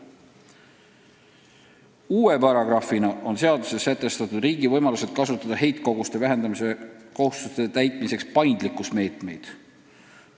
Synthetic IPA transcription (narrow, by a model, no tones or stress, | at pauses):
uːe̞pɑɾɑɡrɑfinɑʔo̞nse̞ɑd̪use̞sːæt̪ːˑe̞st̪ɑt̪ud̪̥riːɡ̥ivɤjmɑluse̞d̪̥̚kɑsut̪ːˑɑd̪̥ɑɦe̞jt̪ko̞ɡ̥ust̪e̞væɦe̞nd̪ɑmiseko̞hust̪ust̪et̪æjt̪ˑmise̞kspɑjnd̪likːˑusme̞ːt̪me̞jd̪̥